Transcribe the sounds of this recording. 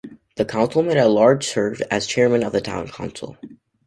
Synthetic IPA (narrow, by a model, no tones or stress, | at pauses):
ðɨkʰãʊ̃nsl̩ˠmeɪɾəlɑɹd̥ʒ̥sɜ˞vɨz̥t͡ʃʰɛɹmɨ̃nʌvðɨtʰã̰ʊ̃nkʰãʊ̃nsl̩ˠ